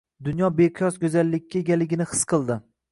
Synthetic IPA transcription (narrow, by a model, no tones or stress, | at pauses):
d̪ʊnjɒbejqʰɨjɒsɡʲɵzalːɪkʲːaeɡʲalːɪɡʲɪnɪhɨ̥sqʰɨlˠd̪ɪ